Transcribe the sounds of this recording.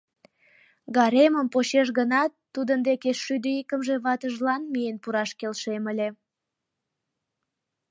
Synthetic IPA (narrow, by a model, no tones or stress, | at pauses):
ɡɑɾeməmpoɕeʃ̬ɣənɑt̪ːud̪ənd̪ekeʃyd̪əikəmʒe̽βɑt̪əʒlɑnmijenpuɾɑʃkelʃeməlʲe